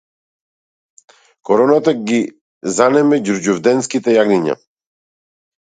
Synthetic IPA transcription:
kɔɾɔnat̪aɡi | zanɛmɛɟuɾɟuvd̪ɛnskit̪ɛjaɡniɲa̰

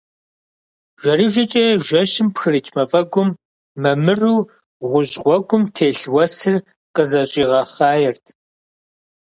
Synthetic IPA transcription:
ʒ̥ʷɐriʒʷɐt͡ʃʼɐjʒʷɐʃɪmpxɨrɨt͡ʃʰʼmɐfʼɐɡʷʊmː | ɐmɨruː | ʁʷʊʑʼʁʷɔɡʷʊmtʰeːɬwɐsɨr | qʼəzɐɕʼiːʁɐχɑːjɛrtʰ

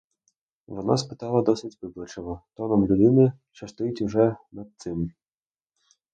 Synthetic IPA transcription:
ʋɔna̰spɪ̥t̪ɑlˠɐd̪ɔsɪtʲʋɪblˠɔt͡ʃɔʋɔt̪ɔnɔmlʲʊd̪ɪnɪ | t͡ʃɐst̪ʊjʊtʲuʒɛnɐd̪̚t̪sɪm

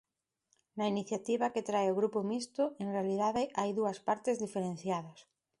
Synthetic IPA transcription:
nɐiniθjat̪iβ̞ɐket̪ɾaeʊɣɾupʊmist̪ʊeŋrealið̞aðʔajðuɐspaɾt̪ezðifeɾẽn̟θjaðos

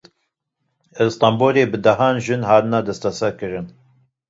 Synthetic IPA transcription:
ɛst̪ɑːmboːleːbɨd̪ɐɦɑːnʒɨnhaːt̪ɨnad̪ɛst̪æsɛkɨɾɨn

